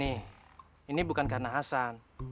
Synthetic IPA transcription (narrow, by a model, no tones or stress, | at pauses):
ih | inibukankarnaɦasan